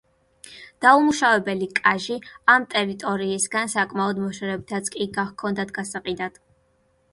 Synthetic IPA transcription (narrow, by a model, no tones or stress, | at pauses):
d̪̥aumuʃavɛbɛlikʼaʒiamt̪ʼɛɾit̪ʼɔɾiːsɡansakʼmaɔd̪mɔʃɛɾɛbit̪ʰat̪sʰkʼiɡakʰɔnd̪at̪ʰɡasaqʼid̪ad̪̥